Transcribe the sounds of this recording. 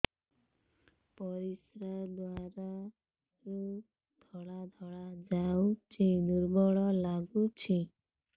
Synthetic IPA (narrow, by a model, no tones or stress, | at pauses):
pɔɾisɾad̪waɾa | ɾu | d̪̥ʱɔɭad̪ʱɔɭad͡ʒawt͡ʃʰid̪uɾbɔɭɔlaɡut͡ʃʰi